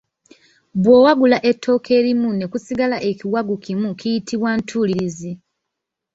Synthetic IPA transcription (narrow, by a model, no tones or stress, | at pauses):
bwoːwaɡulaʔe̞tʰːo̞ːkʰe̞ːɾimune̞kusiɡalaʔe̞kiwaɡukimukijitʰiβwantʰuliɾizi